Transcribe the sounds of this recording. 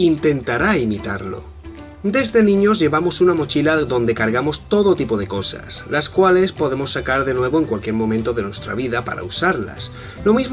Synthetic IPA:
int̪e̞nt̪aɾaimit̪aɾlo̞̰ | d̪e̞zðe̞nĩɲo̞zʝe̞βamo̞sunamo̞t͡ʃilaðo̞nd̪e̞kaɾɣamo̞st̪o̞ðot̪ipo̞ð̞e̞ko̞sa̰slaskwale̞spo̞ðe̞mo̞sːakaɾðe̞nwe̞β̞o̞e̞ŋkwalkje̞ɾmõ̞mẽnt̪o̞ðe̞nwe̞st̪ɾa̰β̞iðapa̰ɾa̰usaɾla̰s | lo̞mizm

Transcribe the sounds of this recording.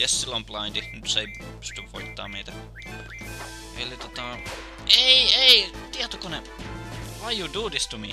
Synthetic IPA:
jesːilːomplɑind̪inyt̪se | pst̪yʋʋoit̪ːɑ̰ːmeit̪æ | ʔelit̪ot̪ɑ | eieit̪iɛt̪okune | ʋɑijud̪uːd̪ist̪umi

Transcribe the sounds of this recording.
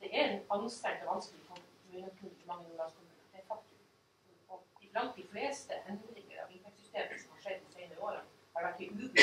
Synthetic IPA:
d̪̥ɛæɾnɑnst̪ɛɾt̪ɔʋɑnsklɪfʰɔʉnəp̪ʰʉɪmɑŋːəmuːnɑkʰʊmʉːnəd̪ɛfʰɑkt̪ɪ | ɔɪblɑnt̪̚d̪ɪfleːst̪əʔɛnd̪ɾɪŋə̰ɾɑ̰ʋɪkɛksʏst̪eːməsɔmhɑʂɛd̪ːɪsɛɪnəəoːɾə̰n | æɖɛkːəʔʉːb

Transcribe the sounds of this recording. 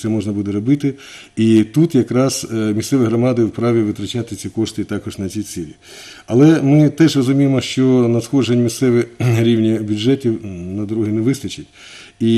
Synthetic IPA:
sɛmɔʒnɐbud̪ɛɾɔbɪt̪ɪ | it̪ut̪jɐkɾɑz̥mʲissɛʋɪɦɾɔmɑd̪ɪwpɾɑʋʲiʋɪt̪ɾɐt͡ʃat̪ɪt͡sʲikɔʂt̪ɪt̪ɑkɔʒnɐt͡sʲijsʲilʲi | ɐlˠɛmɪt̪ɛʒrɔzʊmʲijemɔʃt͡ʃɔnɐsxɔʒenʲmʲissɛʋɪɾʲiwnʲibʲjʊʐɛtʲiwnɐd̪ɔɾɔɦinɛʋɪst̪ɐt͡ʃɪtʲ | i

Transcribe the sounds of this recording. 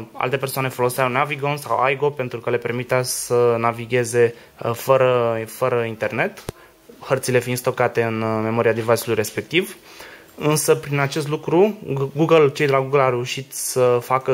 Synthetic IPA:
a̰lt̪e̞persoane̞fo̞lo̞seawnaviɡonsa̰wa̰jɡo̞pe̞nt̪ɾukəle̞pe̞rmit̪easənaviɡʲe̞ze̞ | fəɾəfəɾəint̪e̞rne̞t̪ | həɾt̪sile̞finst̪o̞kat̪e̞ɨnme̞mo̞ɾiad̪ivat͡ʃilujre̞spe̞k̚t̪iv | ɨnsəpɾinat͡ʃe̞s̬t̪lukɾuɡuɡəlt͡ʃejd̪elaɡuɡəlawɾe̞uʃit̪səfakə

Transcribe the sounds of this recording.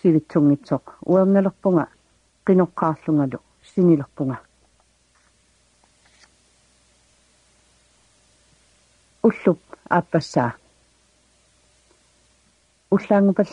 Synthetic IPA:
ivit͡ʃːuŋːɪt͡ʃo̞qṵamnaloχpuŋa | qeno̞qʰːɑːɬuŋalṵ | siniloχpʊŋa | ʊɬʊp̚a̰pasaː | uɬaŋvaɬ

